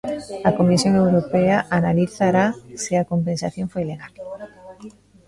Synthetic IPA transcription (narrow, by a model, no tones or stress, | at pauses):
akomisjoŋewɾopeaʔanaliθaɾasiakompẽnsaθjoŋfojleɣal